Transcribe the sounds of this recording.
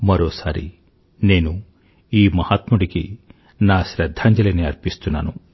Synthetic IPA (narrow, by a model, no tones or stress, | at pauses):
mɐɾoːsaːɾḭ | ne̞ːnu | iːmɐhat̪muɽikḭ | naːʃɾɐd̪ʱːaːɲd͡ʒɐlɐniɐɾpist̪unːa̰ːnu